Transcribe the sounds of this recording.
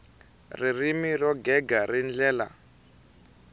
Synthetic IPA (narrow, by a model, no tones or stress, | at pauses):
ririmirɔɡɛɡarind͡ɮɛːla̰